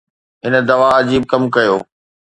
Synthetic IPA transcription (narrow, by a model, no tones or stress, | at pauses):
ɦɪnə̆d̪ɐʋaɐd͡ʑiːb̚kɐmkɐjoː